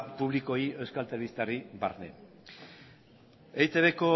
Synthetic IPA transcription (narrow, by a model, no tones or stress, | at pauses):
puβliko̞ie̞wskalt̪eɾeβist̪ariba̰ɾnḛ | ejt͡s̪eβeko̞